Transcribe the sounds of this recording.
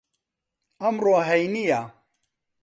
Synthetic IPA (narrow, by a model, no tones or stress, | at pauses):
amɾoaɦajnija